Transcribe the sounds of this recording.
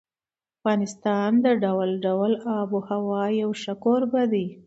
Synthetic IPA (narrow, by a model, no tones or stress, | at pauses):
afɣɑnɪst̪ɑnd̪əɖawlɖawlɑbohawɑjawʃakoɾbad̪i